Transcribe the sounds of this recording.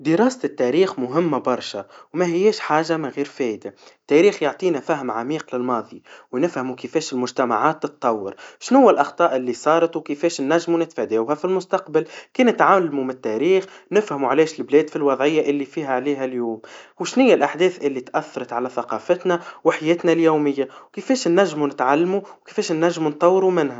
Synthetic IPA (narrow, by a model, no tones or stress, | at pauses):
d̪ɪɾɑːsɪt̪ːæɾiːxmʊɦɪmːæbɑɾˤʃawmæɦɪjːɛːʃħaːʒamæɣiːɾfɛːʔd̪at̪ːæɾiːxjoʕt̪ˤiːnæfæɦmʕamiːqlɪlmɑːðˤiwnɪfhæmukɪfɛːʃɪlmʊʒt̪æma̰ʕaːt̪ːɨt̪ˤt̪ːˤɑwːɑɾʃnhʊwːælʔɑxt̪ˤɑːʔɪlːisˤɑːɾˤɑt̪wkifɛːʃnːæʒːmunɪt̪fæd̪æːwɦæfilmʊst̪ɑqbalkiːnɪt̪ʕaːlmumɪt̪ːæɾiːxnɪfhamuʕlɛːʃɪlblɛːd̪filwɑðˤʕɪjːaʔɪlːifiːɦæʕliːɦæljuːmwʃnɪjːælʔaħd̪ɛːθʔɪlːit̪ʔæθːɑɾˤɑt̪ʕalæθɑqɑːfət̪næwɪħajɛːt̪næljuːmɪjːawkɪfɛːʃnːæʒːmunɪt̪ʕalːmuwkə̥fɛːʃnːæʒːmunt̪ˤːɑwːɾumɪnhæ